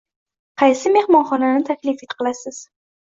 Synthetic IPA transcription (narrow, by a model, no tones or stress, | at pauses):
qʰɑjsɪme̞hmɒnχɒnanɪt̪ʰakʲlɪfit̪qʰɨlˠasɪz̥